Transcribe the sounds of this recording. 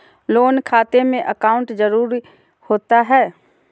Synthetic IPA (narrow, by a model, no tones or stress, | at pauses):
loːnkʰaːt̪emẽʔəkaːʊ̃ɳʈd͡ʒəɾuːɾi | hoːt̪aɦɛː